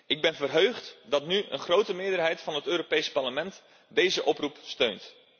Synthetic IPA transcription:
ʔɪɡ̚bɛnvərɦøɥχtdɑtnyə̰nχrowtəmɪːɹdərɦɛjtfɑnɦətøːropejspɑɹləmɛnt | dejzəʔɔprupstøɥnt

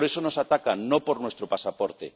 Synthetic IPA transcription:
ɾesonosat̪akanõpoɾnwest̪ɾopasapoɾt̪e

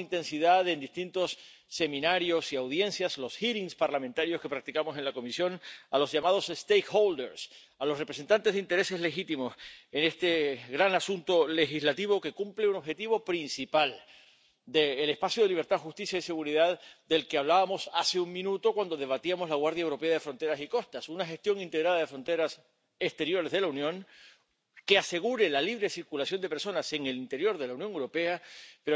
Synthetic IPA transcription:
int̪e̞nsiðaðe̞nd̪ist̪int̪osː | e̞mĩnaɾjo̞siawðje̞nsjaslo̞sxiɾiŋspaɾlament̪aɾjoske̞pɾak̚t̪ikamo̞se̞nlako̞misjo̞nalo̞zʝamað̞o̞sest̪ejkxold̪eɾs | alo̞sre̞pɾese̞nt̪ant̪ezðeint̪e̞ɾe̞se̞zle̞xit̪imo̞sene̞st̪e̞ɣɾanasunt̪o̞le̞xizlat̪iβo̞ke̞kumpleuno̞βxe̞t̪iβo̞pɾinsipal | d̪e̞ːle̞spasjoðe̞liβɾt̪aðxust̪isjaise̞ɣuɾiðaðd̪e̞lke̞aβ̞laβamosaseuŋmĩnut̪o̞kwand̪o̞ð̞e̞β̞at̪iamo̞zlaɣwaɾðjaewɾo̞pe̞aðe̞fɾo̞nt̪e̞ɾasiko̞st̪asunaxe̞st̪jo̞ŋint̪eɣɾaðaðe̞fɾo̞nt̪e̞ɾas | e̞st̪eɾjo̞ɾezðe̞launjõ̞ŋ | ke̞ase̞ɣ̞uɾe̞laliβɾe̞siɾkulasjo̞nd̪e̞peɾso̞nase̞ŋe̞lint̪e̞ɾjo̞ɾðe̞launjoŋewɾo̞pe̞apeɾo

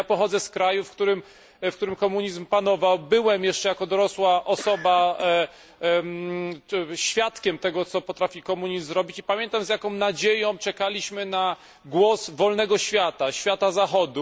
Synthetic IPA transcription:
apɔxɔd̪zɛskɾajufkt̪uɾɘm | fk̚t̪uɾɘmkɔmuɲizmpanɔvawbɘwɛmjɛʂt͡ʂɛjakɔd̪ɔɾɔswaʔɔsɔba | ɕfʲjat̪kʲɛmt̪ɛɡɔt̪sɔpɔt̪ɾafʲikɔmuɲizzɾɔbʲit͡ɕipamʲjɛnt̪amzjakɔ̃w̃nad͡ʑejɔ̃w̃t͡ʂɛkalʲiɕmɘna | ɡwɔsvɔlnɛɡɔɕfʲjat̪aɕfʲjat̪azaxɔd̪u

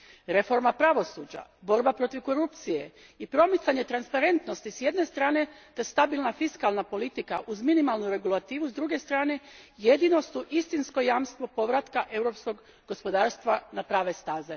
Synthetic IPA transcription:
ɾe̞fo̞ɾmapɾaʋo̞suːd͡ʑa̰bo̞ɾbapɾo̞t̪iʋko̞ɾupt̪sije̞ | ipɾo̞mit̪saɲe̞t̪ɾanspaɾe̞nt̪no̞st̪isje̞d̪ne̞st̪ɾaːne̞t̪est̪abilˠnafiskalnapo̞lit̪ikaʔuzminimalˠnuɾe̞ɡulˠat̪iːʋuzd̪ɾuɡe̞st̪ɾaːne̞jed̪ino̞st̪uʔist̪insko̞jaːmst̪ʋo̞po̞ʋɾat̪kaʔe̞wɾo̞psko̞ɡ | ɡo̞spo̞d̪aːɾst̪ʋanapɾaːʋe̞st̪aːze

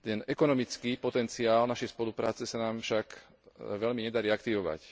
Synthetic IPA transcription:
t̪ɛnɛkɔnɔmit͡skiːpɔt̪ɛnt͡siaːlnaʃɛjspɔlupɾaːt͡sɛsanaːmfʃak | ʋɛʎmiɲɛd̪aɾiːakt̪iʋɔʋa̰c

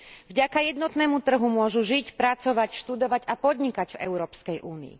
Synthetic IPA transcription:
vɟakajɛd̪nɔt̪nɛːmut̪r̩ɦumʊɔʒuʒicpɾat͡sɔʋacʃt̪ud̪ɔʋaɟapɔd̪ɲikaɟvɛ̰ʊɾɔːpskɛjʔuːnḭḭ

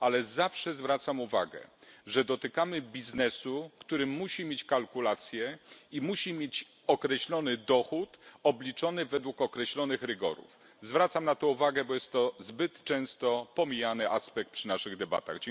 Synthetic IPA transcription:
alɛzafʂɛzvɾat̪samuva̰ɡɛ̰ʐɛd̪ɔt̪ɘkamɘbʲiznɛsukt̪uɾɘmːuɕimʲjet͡ɕkalkulat̪sʲjɛimuɕimʲjet͡ɕ | ɔkɾɛɕlɔnɘd̪ɔxut̪ɔblʲit͡ʂɔnɘvɛd̪wukɔkɾɛɕlɔnɘxɾɘɡɔ̰ɾṵf | zvɾat̪samnat̪ɔuvaɡɛbɔjɛst̪ːɔzbɘt̪t͡ʂɛ̃w̃st̪ɔpɔmʲijanɘʔaspɛk̚t̪̚pʂɘnaʂɘɣd̪ɛba̰t̪a̰ɣd͡ʑ

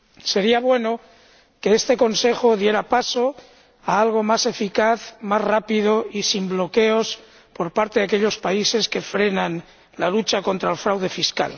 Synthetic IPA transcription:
se̞ɾiaβ̞we̞no | ke̞est̪e̞ko̞nse̞xoðje̞ɾapaso | aalɣ̞o̞mase̞fikaθmazrapið̞oisimblo̞ke̞os | po̞ɾpaɾt̪eðak̬eʎo̞spaise̞ske̞fɾenãn | lalut͡ʃako̞nt̪ɾaelfɾawð̞e̞fiska̰l

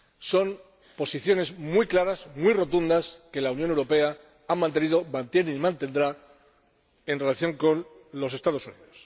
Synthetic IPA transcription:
so̞m | po̞siθjo̞ne̞zmwijklaɾasmwiro̞t̪und̪aske̞launjone̞wɾo̞pe̞a | amːãnt̪e̞niðo̞mãnt̪je̞neimãnt̪e̞nd̪ɾa | e̞nre̞laθjo̞ŋko̞n | lo̞se̞st̪að̞o̞sunḭðo̞s

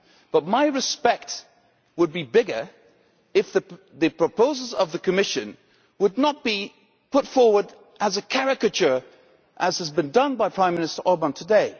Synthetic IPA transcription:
b̥ʌt̚maɪɹɨspɛk̚t̚ | wəd̚bibɪɡə˞ | ɨfðɨ | ðɨpʰɹ̥əpʰoʊzl̩ˠzʌvðɨkʰɨmɪʃɨ̃n | wədⁿnət̚b̥i | pʰʊtfɔɹwə˞ɾ | ʔɨzɨkʰæɹɨkɨt͡ʃə˞ | ʔɨz̥ɨzbɨ̃ndʌ̃nbaɪpʰɹ̥ãɪ̃mɪñɨstə˞ʔɔɹbə̃ntʰədeɪ

